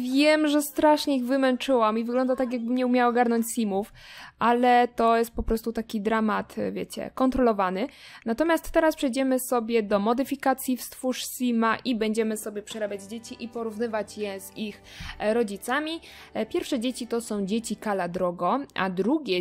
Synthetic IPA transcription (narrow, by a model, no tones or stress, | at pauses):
vʲjɛmʐɛst̪ɾaʂɲɛiɣvɘmɛnt͡ʂɘwamivɘɡlɔnd̪at̪ak̬ʲjaɡ̚bɘmɲɛumʲawaɔɡaɾnɔɲt͡ɕsʲimufʔalɛt̪ɔjɛst̪̚pɔpɾɔst̪ut̪akʲid̪ɾamat̪vʲjḛt͡ɕɛ̰kɔnt̪ɾɔlɔvanɘnat̪ɔmʲjast̪ːɛɾaspʂɛjd͡ʑɛmɘsɔbʲjɛd̪ɔmɔd̪ɘfʲikat̪sʲjifst̪fuʂsʲimaʔibɛɲd͡ʑɛmɘsɔbʲjɛpʂɛɾabʲjad͡ʑd͡ʑet͡ɕiʔipɔɾuvnɘvat͡ɕjɛz̥ixɾɔd͡ʑit̪samʲipʲjɛɾfʂɛd͡ʑet͡ɕit̪ɔsɔ̃w̃d͡ʑet͡ɕikalad̪ɾɔɡɔʔa̰d̪ɾuɡʲjɛ